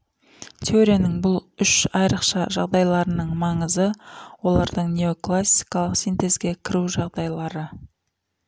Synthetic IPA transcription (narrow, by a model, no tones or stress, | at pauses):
t̪ʰoɾenɪŋbʊlˠʏʃɑjɾəqʃɑʒɑʁd̪ɑjlˠɑɾənəɴmɑɴəzəwo̞lˠɑɾd̪əɴnʲeoklˠasːijkɑlˠəqsijnt̪e̞zɡʲe̞kʲʰɪɾuʒɑʁd̪ɑjlˠɑɾə